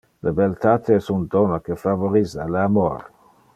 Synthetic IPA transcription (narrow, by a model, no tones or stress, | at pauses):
labelt̪at̪eɛsund̪ɔnakefavoɾizalamo̰ɾ